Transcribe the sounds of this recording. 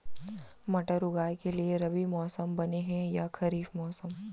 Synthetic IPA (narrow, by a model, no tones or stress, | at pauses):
mɐʈəɾʊɡaːjkelieɾɐbimɔːsəmbɐneɦɛ̃jakʰɐɾiːfmɔːsəm